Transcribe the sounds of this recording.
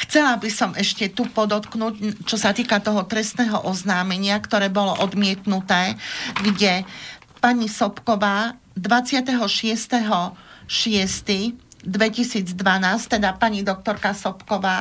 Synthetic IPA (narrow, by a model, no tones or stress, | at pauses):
xt͡sɛlabisɔmʔɛʃcɛt̪upɔd̪ɔt̪knuːɟt͡ʃɔsat̪iːkat̪ɔɦɔt̪ɾɛst̪nɛːɦɔʔɔznaːmɛɲɪakt̪ɔɾɛːbɔlɔʔɔd̪mɪɛt̪nut̪ɛːɡɟɛ | paɲisɔpkɔʋaː | d̪ʋat͡sɪat̪ɛɦɔʃɪɛst̪ɛɦɔʃɪɛst̪id̪ʋɛcisiːd͡zd̪ʋanaːst̪ɛd̪apaɲid̪ɔk̚t̪ɔɾkasɔpkɔʋaː